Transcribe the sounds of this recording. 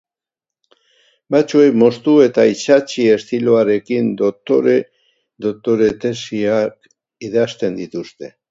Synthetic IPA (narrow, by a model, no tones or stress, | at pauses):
bat͡ʃue̞jmo̞st̪ue̞t̪ait͡ʃat͡ʃie̞st̪iloaɾe̞kind̪ot̪oɾe | d̪ot̪o̞ɾe̞t̪e̞siak | iðast̪e̞nd̪it̪ust̪e̞